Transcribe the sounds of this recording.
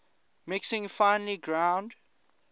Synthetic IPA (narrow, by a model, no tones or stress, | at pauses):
mɪksɪ̃ŋfãɪ̃nliɡɹãʊ̃nd